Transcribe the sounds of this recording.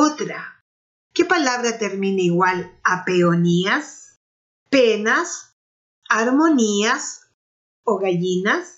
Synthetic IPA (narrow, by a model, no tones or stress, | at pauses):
ot̪ɾa | kepalaβɾat̪eɾmineiɣwalapeonias | penas | aɾmonias | oɣaʝinas